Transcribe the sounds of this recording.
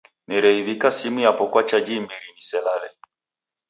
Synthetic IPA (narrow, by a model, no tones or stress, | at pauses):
nɛɾɛiβikasimujapɔkwat͡ʃad͡ʒimiɾinisɛlalɛ